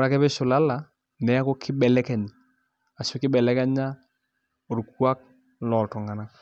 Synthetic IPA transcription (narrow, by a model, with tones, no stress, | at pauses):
ɾa˨kɛ˦bɛ˦ʃʊ˨la˦la˨ | nɛ˨a˦kɔ˦kʰɪ˦bɛ˨lɛ˦kɛ˨ɲa˨ | a˨sʊ˦kɪ˦bɛ˨lɛ˦ka˦ɲa˦ | o˨ɾu˨kwa˦k̚ | lɔ˨tɔ˨ŋa˨na˦